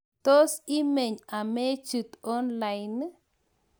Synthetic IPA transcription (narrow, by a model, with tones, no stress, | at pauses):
t̪o˦si˦me˨ɲa˨me˦t͡ʃɨ˨t̪o˦nla˨jn˦